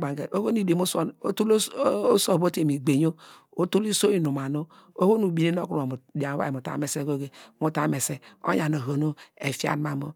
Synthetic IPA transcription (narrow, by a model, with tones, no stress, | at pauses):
ɡ͡ba˨ɡe˨o˦ho˦ni˨de˨mu˦so˦o˦tu˦lo˦so˦˨bo˦te˨mi˨ɡ͡be˨ɲo˦ | o˦tu˦li˦so˦i˦nu˨ma˨no˦ | o˦ho˦nu˨bi˨ne˦n˦o̰˦ku˦ɾo˨mu˨di˨a˨˦a̰˦˨o˨ta̰˨˦me˨se˦ko˦ɡe˦mu˨ta˦me˨se˦o̰˦ɲa˨no˨ɦo˨no˦e˨fi˦a̰˦n˦ma˨mo˦